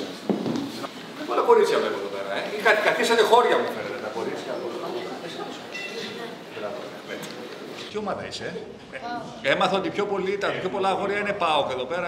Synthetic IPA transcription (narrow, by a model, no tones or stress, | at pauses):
olɐko̞ɾit̪sçɐvlepoeðo̞pe̞ɾɐeixɐt̪ekɐθisɐt̪exo̞ɾʝɐmufeɾet̪et̪ɐko̞ɾit̪sçɐlosoɐuɐesnɐpose | lɐt̪oɐmet̪ | t̪io̞mɐðɐ̰ḭse | emɐθɐot̪ipço̞po̞lit̪ɐpçopo̞lɐxo̞ɾʝɐine̞pɐokeðo̞pe̞ɾɐ